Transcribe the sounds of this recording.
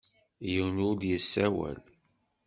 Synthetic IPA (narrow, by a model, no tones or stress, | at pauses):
jəwnʊd̪jəsːæwæ̰l